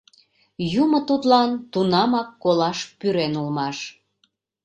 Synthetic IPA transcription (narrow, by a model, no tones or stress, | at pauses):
jumə̆t̪ut̪lɑnt̪unɑmɑkːolɑʃpyɾenulmɑʃ